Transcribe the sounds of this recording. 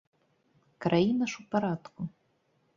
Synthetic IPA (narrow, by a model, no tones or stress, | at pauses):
krajinɐʂupaɾad̪kʷu